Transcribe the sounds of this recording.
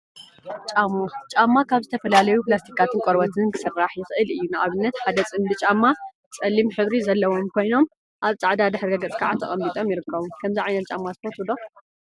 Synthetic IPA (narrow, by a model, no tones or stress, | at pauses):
t͡ʃʼamot͡ʃʼamːakʰaβzɨt̪ʰɐfɐlalɐjuplast̪ʰi̥kʰːat̪ʰɨnkʼoɾbɐt̪ʰɨnkʰɨ̥sɨrːaħjɪxʔɨlɨjːunɨʔaβɨnːɐt̪ħad̪ɐt͡sʼɨmbɨt͡ʃʼamːa | t͡sʼɐlːimħɨβɾizɐlːɐwo̞mkʰo̞jno̞m | ʔaβt͡sʼaʕd̪ad̪ɨħɾɡɐɡɐt͡sʼkʰaʕat̪ʰɐ̰χʼɐmːit̪ʼomjɪɾɨkʰːɐβumkʰɐmziʕajnɐt̪t͡ʃʼamːazɨfɐt̪ʰud̪o